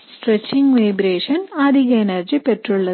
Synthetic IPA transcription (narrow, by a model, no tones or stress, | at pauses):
ssʈret͡ɕːiŋɡʋɐjbɾeːʂɐnaːd̪ʱiɣɐenɐrd͡ʑipeʈruɭːɐ